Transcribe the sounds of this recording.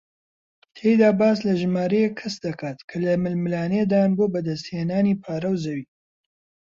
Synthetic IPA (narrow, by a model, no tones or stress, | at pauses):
t̪ʰejd̪aːbaːslɐʒmaːɾejekʰːɐsd̪ɐkʰaːt̪kʰɐlɐmɨlmɨlaːneːd̪aːnboːbɐd̪ɐst̪heːnaːnipʰaːɾɐwzɐwiː